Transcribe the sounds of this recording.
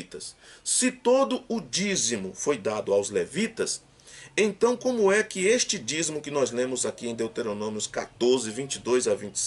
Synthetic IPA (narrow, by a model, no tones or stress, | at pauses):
it̪ɐssɪt̪od̪ʊʊd͡ʒizimʊfojd̪ad̪ʊawzlevit̪ɐs | ẽnt̪ɐ̃w̃kõmʊɛkɪest͡ʃɪd͡ʒizmʊkɪnɔzlẽmʊzakiẽd̪ewt̪eɾonõmiʊska̰t̪oɾzɪvĩt͡ʃɪd̪ojzavĩnt͡ʃs